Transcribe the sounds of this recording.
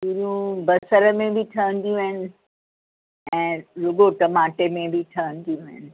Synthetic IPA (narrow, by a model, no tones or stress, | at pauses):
iɾũbɐsəɾəmẽbʱɪʈʰɐʋə̃nd̪ijũɦɪnɪ̆ | ɛ̃ːɾʊɡoʈɐmaːʈemẽbʱiʈʰɐʋə̃nd̪ijũɦɪnɪ̆